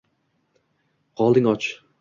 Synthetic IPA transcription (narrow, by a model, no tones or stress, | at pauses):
qʰɒlˠd̪ɪŋɒt͡ʃ